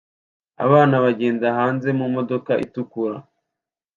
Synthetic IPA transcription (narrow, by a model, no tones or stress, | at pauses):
a̰βaːnaβaɟeːnzaɦaːnze̞mumo̞do̞kaʔḭtukuɾa